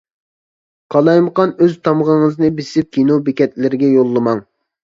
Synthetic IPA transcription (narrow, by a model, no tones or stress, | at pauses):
qʰɑlˠɑjməqɑnøzt̪ʰɑmʁəŋɨznɨbɪsɪp̚kʲʰinobekʲɛt̪lɪɾɪɡʲɛjolˠːɨmɑŋ